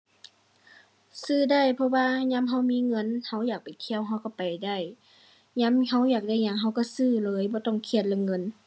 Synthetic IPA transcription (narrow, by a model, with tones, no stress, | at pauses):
sɯː˧˩da˧˩jpʰɔ˧waː˧ɲa˧˥˨mɦa˧˥˩wmiː˧˥˨ŋɤ˧˥˨nha˧˥˩wjaː˨˩k̚pa˨˩jkʰi˧˨ə˨wɦa˧˩wka˧˩pa˨jda˧˥˩j | ɲa˧˥˨mɦa˧˥˩wjaː˨˩k̚da˧˥˩jɲa˧˥˨ŋɦa˧˩wka˧˩sɯː˧˩lɤː˨˦jbɔː˧˦t̪ɔ˧˥˩ŋkʰi˧˩ət̪̚laː˧˨ŋɤ˧˥˨n